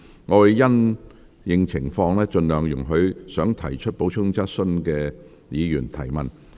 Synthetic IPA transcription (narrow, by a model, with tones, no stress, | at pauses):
ŋɔː˨˧wɐ˨˩jjɐ˥n | jɪ˧ŋt͡sʰɪ˨˩ŋfɔː˧ŋlɛː˥t͡ʃɵ˧nlœː˨ŋjʊ̰˨˩ŋɦɵ˨˧ɥsœː˨˥ŋt̪ʰɐ˨˩jt͡ʃʰɵ˥t̚po˨˥wt͡ʃʰʊ˥ŋt͡sɐ˥t̚sɵ˥nkɛː˧ | jiː˨˧jyː˨˩nt̪ʰɐ˨˩jmɐ˨˩n